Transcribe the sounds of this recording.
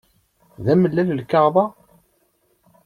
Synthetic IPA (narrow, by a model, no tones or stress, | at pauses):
ðæməlːæləlkɑʁðˤɑ